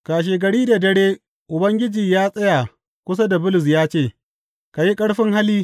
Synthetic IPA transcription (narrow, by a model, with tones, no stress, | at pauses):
ka˨ʃ̬eː˨ɡɐ˨ɽiː˦da˨dɐ˦ɽeː˦ | ʔʊ˨bɐ˦ŋɡʲɪ˦d͡ʒiː˨jaː˦sʼɐ˦ja˨ | kʷʊ˦sa˦da˨bʊ˦lʊ˨s̬jaː˦t͡ʃeː˦˨ | ka˨ji˦kʼɐ˦ɽɸɪ˦ŋha˦liː˦